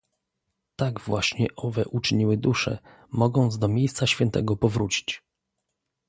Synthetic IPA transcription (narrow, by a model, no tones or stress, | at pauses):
t̪aɡvwaɕɲɛʔɔvɛʔut͡ʂɘɲiwɘd̪uʂɛ̰ | mɔɡɔ̃nd̪zd̪ɔmʲjejst̪saɕfʲjɛnt̪ɛ̰ɡɔpɔvɾut͡ɕi̥t͡ɕ